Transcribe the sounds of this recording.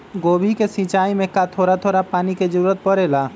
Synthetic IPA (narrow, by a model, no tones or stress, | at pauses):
ɡobʱikesĩt͡ʃaːimẽkat̪ʰoːɾat̪ʰoɾapaːniked͡ʒəɾuːɾət̪̚pəɾela